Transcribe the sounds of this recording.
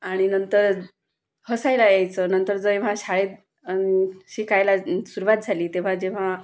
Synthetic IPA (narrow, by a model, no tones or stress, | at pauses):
aɽ̃inənt̪əɾ | həsajlajejt͡sənənt̪əɾd͡zəeʋ̤ãɕaɭet̪̚ | ɕikajlasuɾuʋat̪̚d͡zʱaliːt̪eʋ̤ad͡ʑeʋ̤a